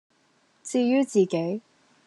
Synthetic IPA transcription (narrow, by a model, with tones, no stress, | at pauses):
t͡siː˧jyː˥t͡siː˨˩ke˨˥j